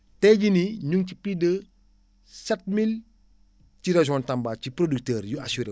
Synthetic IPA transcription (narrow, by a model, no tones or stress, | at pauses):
tɛɟiniɲuŋcipidə | sɛt̚mil | t͡ʃiɾɐʒɔntambaːcipɾoduk̚təːɾjuasuɾe